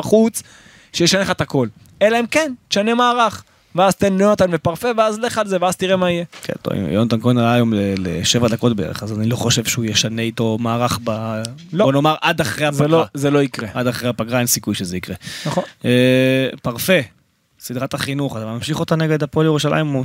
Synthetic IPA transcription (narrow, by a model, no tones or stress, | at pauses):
χut͡s | ʃejeʃaneχat̪ako̞l | elaimkentʃanemaːʁaχ | veazt̪enoot̪anvepaʁfeveazleχalzeveazt̪iʁemaijekʰḛnto̰ḭm̰jont̪ankonjomlelḛʃevad̪ako̞tbeḛḛχazanilo̞χo̞ʃevʃeujeʃane̞it̪o̞maːʁaχbalobonomaʁʔad̪aχʁeazalozelo̞ikʁeʔad̪aχʁejapaɡʁaensikujʃezeikʁenaoepaʁfe̞ | sid̪ʁat̪aχinuχat̪amamʃiχo̞t̪aneɡe̞d̪apoljeuʃala̰im